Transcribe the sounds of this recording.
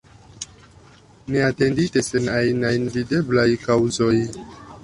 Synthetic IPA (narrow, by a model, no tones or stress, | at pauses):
neate̞nditesenajnajnvide̞blajkawzo̞j